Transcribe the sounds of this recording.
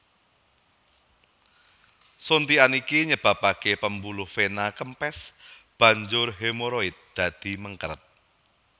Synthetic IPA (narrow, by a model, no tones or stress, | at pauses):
sont̪ianikiɲəb̥ä̤pakepəmbulʊhfenakəmpɛsb̥ä̤ɲd͡ʒʊrɦemoɾoɪt̪̚d̪̥ä̤d̪̥i̤məŋkəɾət̪̚